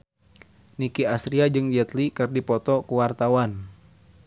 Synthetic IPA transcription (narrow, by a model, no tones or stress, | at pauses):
nikiasɾiad͡ʒɨŋd͡ʒɛt̪likɨrdipɔt̪ɔkuwart̪awan